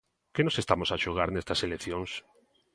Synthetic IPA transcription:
kenosest̪amosaʃoɣ̞aɾnest̪aselekθjoŋs

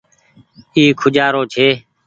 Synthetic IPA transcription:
iːkʰʊd͡ʒaːɾoːt͡ʃʰeː

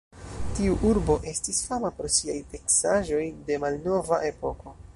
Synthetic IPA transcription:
tiuʔuɾbo̞ʔe̞stisfamaposiajte̞ksaʒo̞jde̞malno̞vaʔe̞po̞ko̞

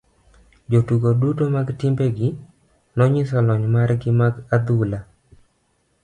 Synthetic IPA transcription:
d͡ʒotuɡodutomaɡtɪmbeɡɪ | nɔɲɪsɔlɔɲmaɾɡɪmaɡad̪ula

